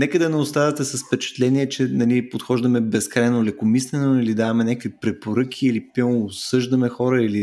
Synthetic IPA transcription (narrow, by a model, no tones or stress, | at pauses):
nɛkəd̪ɐnɛʊst̪avɐt̪ɛsɐsfpɛt͡ʃɛ̥t̪lɛniɛt͡ʃɛnɐlipot̪xɔʒd̪əmɛbɛskɾajnolɛkomislɛnoilid̪avɐmɛnʲakəkvipɾɛpoɾɤkʰʲiilipɛːsɤʒd̪ɐmɛxɔɾəili